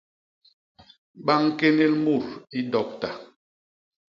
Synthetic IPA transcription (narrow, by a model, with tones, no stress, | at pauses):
ɓa˦ŋ˦ke˦ne˦lmu˦˨ɾi˦dɔ˨k̚ta˨